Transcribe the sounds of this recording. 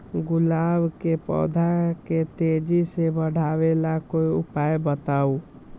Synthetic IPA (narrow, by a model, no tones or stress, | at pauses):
ɡʊlabkepɔ̰d̪ʱaket̪ed͡ʒisebəɽ̤ʱaʋelakoiupaebət̪au